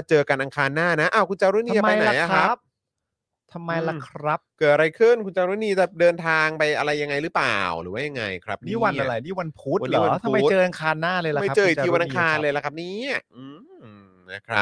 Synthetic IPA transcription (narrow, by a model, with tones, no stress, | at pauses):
a˧˩t͡ɕɤː˧ka˧nʔa˧ŋkʰaː˧nːaː˥˩na˦˥ʔaː˧˩wkʰu˧nt͡ɕa˧wɾu˦˥ni˧a˧pa˧jna˨a˧˦jla˧˩kʰɾa˦˥˦p̚ | t̪ʰa˧mːa˧jla˧˩kʰɾa˦˥p̚kɤː˨˩t̪̚ʔa˧ɾa˧jkʰɯ˥˩nkʰu˧nt͡ɕaː˧wɾuː˦˥niː˧t̪a˨˩p̚dɤː˧nt̪ʰaː˧ŋpa˧jʔa˧ɾa˧jːa˧ŋːa˧jɾɯː˦˥pa̰ː˨˩˨wɾɯ̰ː˩˦waː˦˥ja˧ŋːa̰˧jkʰɾa̰˦˥p̚niː˥˩˥wa˧˩nʔa˧˨la˨˩˦niː˥˩wa˧npʰu˦˥t̪wa˧n̚i˨˩wa˦˧t̪ʰa˧mːa˧jt̪t͡ɕɤː˧ʔa˧ŋkʰaː˧nːaː˥˩lɤː˧ja˧ma˥˩˦t͡ɕɤː˧i˨˩˧iː˧wa˧nʔaŋkʰaː˧nlɤː˧jla˧˩kʰa˦˧˥p̚niː˦˥a˧˩ʔɯː˧˩ | na˦˥˩kʰɾa̰˦˥